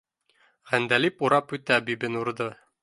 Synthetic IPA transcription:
ʁænd̪ælipuɾɑpʉt̪æbibɘnuɾd̪ɤ

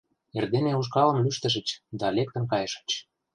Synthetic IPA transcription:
erd̪eneuʃ̬kɑlə̆mlyʃt̪ə̆ʃ̬ə̆t͡ɕd̪ɑlek̚t̪ə̆mkɑjəʃə̥̆t͡ɕ

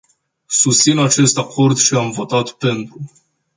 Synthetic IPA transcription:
sust̪sinat͡ʃe̞st̪akʰo̞rd̪ʃiamvo̞t̪at̪pe̞nt̪ɾu

